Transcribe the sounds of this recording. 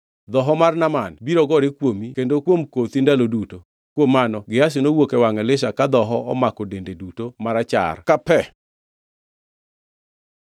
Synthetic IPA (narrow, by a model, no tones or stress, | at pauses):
d̪ɔɦɔmarnamanbiɾɔɡɔɾɪkwomikendokwomkot̪indaloduto | kwomːanɔɡɪas̬ɪnowokɛwaŋɛlɪʃakad̪ɔɦɔɔmakodendedutomaɾat͡ʃa̰rkapɛ